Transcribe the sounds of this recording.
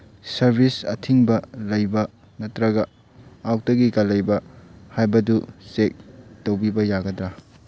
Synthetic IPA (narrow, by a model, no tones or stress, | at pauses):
sɐɾbʱisɐtʰiŋbɐlɐjbɐ | nɐtɾɐɡɐ | awk̚tɐɡikɐlɐjbɐhajbɐdusek̚tɐwbibɐjaɡɐdɾa